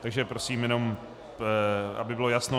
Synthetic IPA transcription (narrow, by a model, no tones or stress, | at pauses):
t̪aɡʒɛpɾo̞siːmjɛno̞m | ʔa̰bɪbɪlo̞jasno